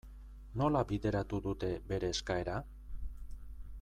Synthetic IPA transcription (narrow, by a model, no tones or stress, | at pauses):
no̞labiðe̞ɾat̪uðut̪e̞be̞ɾe̞ːskae̞ɾa